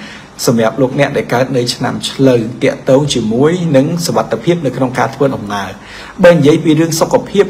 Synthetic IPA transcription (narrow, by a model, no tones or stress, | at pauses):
sɑmjap̚loːk̚nɛ̆əʔɗaɛlkaət̪̚nɨwt͡ɕʰna̰mt͡ɕʰləwt̪ɛ̆əʔt̪ɔːŋt͡ɕiəmuəjnɨŋsoʋat̪ʰːepʰiəp̚nɨwkʰnoŋkaːt̪ʰʋəːɗɑmŋaə | ɓaːnijiəjpiːɾɨəŋsokʰːapʰiəp̚